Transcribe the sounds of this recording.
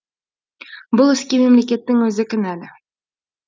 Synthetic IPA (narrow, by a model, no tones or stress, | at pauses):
bʊlˠɵ̆skʲimemlekʲe̞t̪ːɪŋwɵzɪkʲɪnælɪ